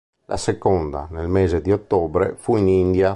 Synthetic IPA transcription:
lʔa̰sekɔnd̪a̰nelmeːzed̪iot̪ːɔːbɾḛfuinind̪ja

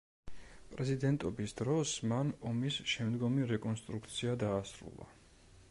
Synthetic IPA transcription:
pʼɾɛzid̪ɛnt̪ʼɔbisd̪ɾɔsmanɔmisʃɛmd̪ɡɔmiɾɛkʼɔnst̪ʼɾukʰt̪sʰiad̪aːsɾṵlˠa̰

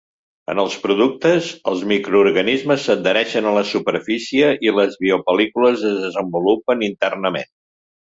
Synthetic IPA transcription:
ə̰nəlˠspɾuðuk̚t̪əzəlˠzmikɾuurɣənizməsːəd̪̚d̪əɾɛʃənələsupərfisiəʔiləzβiupəlikuləzəzðəzəmbulupənint̪ərnəmḛn

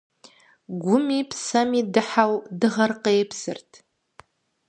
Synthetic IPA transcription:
ɡʷʊmipʰsamidɨħawdɨʁarqejpʰsɨ̰rtʰ

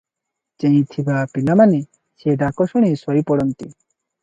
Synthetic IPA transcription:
t͡ɕẽĩt̪ʰibapilamani | ʃeɖakoʃoɽ̃isɔjpɔɽont̪i

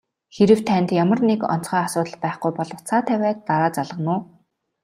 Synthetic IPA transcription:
xeɾɘ̆w̥t̪ʰːænt̪jamə̆rnekɔ̰n̥t͡sχœːasʊːt̪ə̆ɮpæːχɡujpɔɮɞ̆wʰt͡sʰaːt̪ʰæwʲæːt̪ːaɾaːt͡saɮʁə̆nʊː

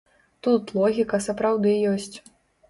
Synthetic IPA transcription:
t̪ut̪lˠɔɣʲikɐsɐpɾawd̪ɨjɔsʲt͡sʲ

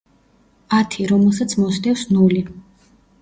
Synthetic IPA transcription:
at̪ʰiɾɔmɛlˠs̬at̪sʰmɔsd̪ɛfsnuli

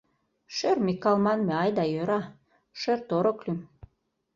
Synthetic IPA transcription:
ʃermikːɑlmɑnmeɑjd̪ɑjøɾɑ | ʃert̪oɾoklym

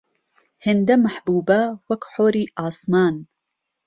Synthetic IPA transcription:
hɪnd̪ɐmaħbuːbɐwɐkħoːɾiːʔaːsmaːn

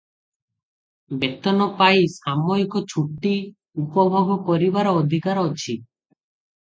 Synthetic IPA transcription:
bet̪ɔnɔpajisamojkɔt͡ʃʰuʈːi | upɔbʱoɡʱɔpɔɾibaɾɔːd̪ʱikaɾɔt͡ʃʰi

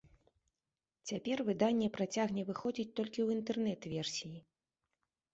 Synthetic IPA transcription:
t͡sʲapʲɛrvɨd̪anʲːɛpɾat͡sʲaɣnʲɛvɨxɔd͡zʲit͡sʲt̪ɔlʲkʲiwint̪ɛrnɛt̪vʲɛrsʲiji

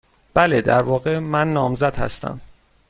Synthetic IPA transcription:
b̥æled̪æɾvɒːɣemænːɒːmzæd̪̥hæ̰st̪æ̰m

